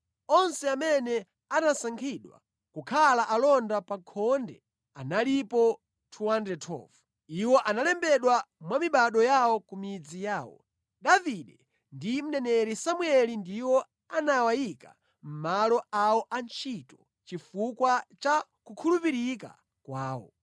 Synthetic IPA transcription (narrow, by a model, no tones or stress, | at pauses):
ɔnsɛamɛnɛ | anasaŋkʰiɗwa̰ | kukʰalaʔalɔndapakʰɔndɛ̰ | analipɔ | tʰuwandɛtʰɔ̰vu | iwɔʔanalɛmbɛɗwamwamiɓaɗɔjawɔkumid͡zijaːwɔ̰ | ɗaviɗɛ | ndim̩nɛnɛɾisamuɛlindiwɔ | anawajika̰ | m̩malɔawɔʔant͡ʃʰitɔ̥ | t͡ʃifukwat͡ʃakukʰulupiɾika̰ | kwaːwɔ̰